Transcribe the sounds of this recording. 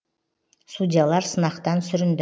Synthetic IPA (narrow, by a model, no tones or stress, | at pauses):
sudʲijalˠɑɾsənɑqt̪ɑnsʏɾɪnd̪